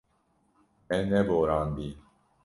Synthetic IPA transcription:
ɛnɛboɾand̪i

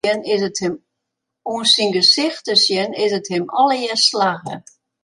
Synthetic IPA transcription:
ənɪsətɪm | unsinɡəsɪxtəsjənɪsəthɪmɔlˠəjɪslaɣə̰

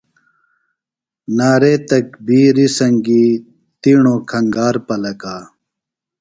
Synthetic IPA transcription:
naːɾeːt̪ɐk̚biːɾisɐŋɡiː | t̪iːɳõːkʰɐŋɡaːɾpɐlɐkaː

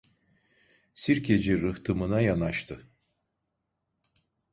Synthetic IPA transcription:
siɾkʰed͡ʒiɾɯht̪ʰɯmɯnajanaʃt̪ʰɯ

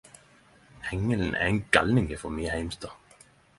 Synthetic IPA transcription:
hɛŋːəln̩ʔæ̰ɛnɡɑlnɪŋəfɔmyːəhæɪmst̪ɑː

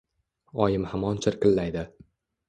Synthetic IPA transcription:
ɒjɪmhamɒnt͡ʃʰɪɾkʲɪlːajd̪ɪ

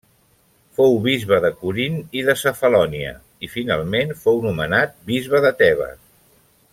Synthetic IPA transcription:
fowβizβəðəkuɾiniðəsəfəlɔniə̰ | ifina̰lˠmenfownumənat̪̚bizβəðət̪ɛβ̞ə̰

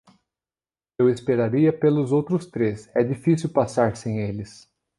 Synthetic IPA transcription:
ewespeɾaɾiɐpelʊzowt̪ɾʊst̪ɾesɛd͡ʒifisiwpasaɾsẽj̃elɪs

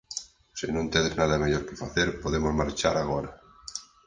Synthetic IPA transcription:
sɪnõnt̪eðɪznaðɐmeʎɔɾkɪfaθeɾpoðemozmaɾt͡ʃaɾaɣoɾa

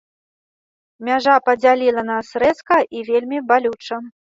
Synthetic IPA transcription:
mʲaʐapɐd͡zʲalʲilˠɐnasɾɛskɐʔivʲelʲmʲibalʲut͡ʂɐ

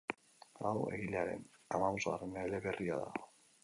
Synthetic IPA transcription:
awe̞̰ɣileaɾe̞̰namaβoza̰reneeleβe̞ria̰ða̰

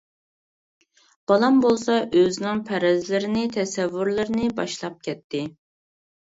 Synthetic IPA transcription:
b̥ɑlˠɑmbolˠsɑʔøzɪnɪŋpʰɛɾɛzlɪɾɪnɪt̪ʰɛsɛvːuɾlˠɨɾnɪbɑʃlˠɑp̚kʲʰɛt̪ʰːɪ

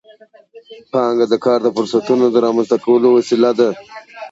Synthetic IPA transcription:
pəɦaŋɡad̪əkɑːɾd̪əfʊɾsat̪unod̪əɾɑmanzt̪akawəlowasilad̪a

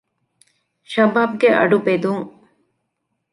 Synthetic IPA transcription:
ʃɐbaːb̚ɡeʔɐ̰ɖubed̪uŋ

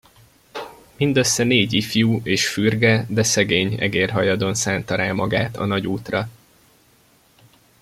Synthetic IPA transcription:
mind̪øsːɛneːɟifjuːʔeːʃfyrɡɛd̪ɛsɛɡeːɲɛ̰ɡeːrɦɒjɒd̪o̞nsaːnt̪ɒɾaːmɒɡaːt̪ɒ̰nɒɟuːt̪rɒ

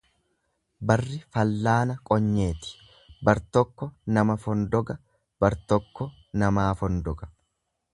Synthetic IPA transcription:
bɐrːɪfɐlːaːnɐkʼɔɲːe̞ːt̪ɪ̥ | bɐɾt̪ɔkːɔnɐmɐfɔnd̪ɔɡɐ | b̥ɐɾt̪ɔkːɔ | nɐmaːfɔnd̪ɔɡɐ̥

